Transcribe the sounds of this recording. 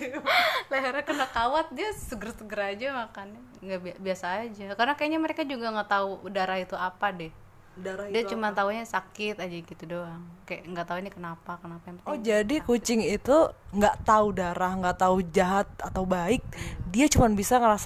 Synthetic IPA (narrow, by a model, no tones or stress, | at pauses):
laɦeɾakənakawat̪̚diasəɡəɾsəɡəɾad͡ʒamakani | ŋɡaʔbiabiasaːd͡ʒakaɾrənakajaʔɲaməɾekad͡ʒuɡaŋat̪audaɾahit̪uapadɛh | daɾadiɛt͡ʃumant̪auɲasakɪt̪ad͡ʒaɡit̪udoaŋkajaʔŋɡaʔt̪auinikənapakənapajaŋpətɔd͡ʒadikut͡ʃɪŋit̪uŋɡaʔt̪audaɾahŋɡaʔt̪aud͡ʒaɦat̪̚at̪aubaɪk̚diat͡ʃumanbisaŋəɾas